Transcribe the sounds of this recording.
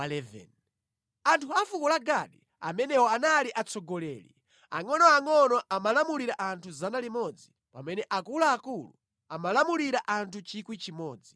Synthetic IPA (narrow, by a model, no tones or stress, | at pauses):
alɛvɛ̰n | antʰuafukɔlaɡaɗi | a̰mɛnɛwɔanaliʔat͡sɔɡɔlɛːlḭ | a̰ŋɔnɔaŋɔnɔʔamalamuliɾaʔantʰuzanalimɔd͡zi | pamɛnɛʔakulaːkulṵ | amalamuliɾaʔantʰut͡ʃikwit͡ʃimɔːd͡zi